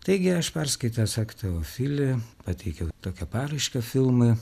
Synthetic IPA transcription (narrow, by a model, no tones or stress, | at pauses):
t̪ɐɪɡʲɪɐʃpʲɛɾskɐɪt̪ɐsɑkt̪ɐʋofʲɪlʲɪpɑt̪ʲɛɪkʲɛʊt̪oːkʲɛpɑːɾɐɪʃkɐfʲɪlˠmɐ